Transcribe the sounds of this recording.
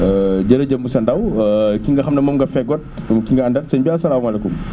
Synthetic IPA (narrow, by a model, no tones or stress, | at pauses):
ɟɐɾɐɟɐmbusɐndɐwkiŋɡɐxɐmnɐmɐmŋɡɐfɛɡɔt̚kiŋɡɐɐndɐnsɐɲbiɐsɐlaːmɐlɐkum